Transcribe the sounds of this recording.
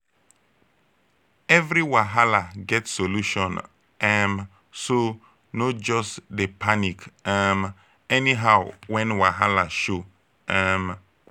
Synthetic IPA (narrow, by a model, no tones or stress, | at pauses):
ɛvɾiwaɦalaɡɛtsoluʃɔ̃n | ɛm | so | nɔd͡ʒɔstdepanikɛm | ɛniɦaʊwɛ̃nwaɦalaʃo | ɛm